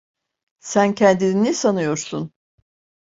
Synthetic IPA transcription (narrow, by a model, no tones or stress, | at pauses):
sæncʰɛnd̪ininisanɯjo̞ɾsun